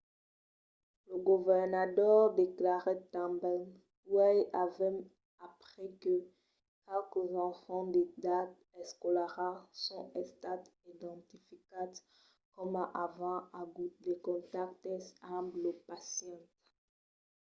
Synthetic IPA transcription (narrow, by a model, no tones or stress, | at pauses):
ləɡuvɛʁnat̪ɔʁd̪eklaʁɛt̪ãbɛ | wɛjavɛm | apʁɛkə | kɛlkzɑ̃fɑ̃d̪ed̪at̪ | ɛskolaʁasɔ̰̃ɛst̪at̪id̪ɑ̃t̪ifikat̪ | kɔmaʔavɑ̃aɡut̪̚dekɔ̃t̪akt̪ɛãbləpasjɑ̃t̪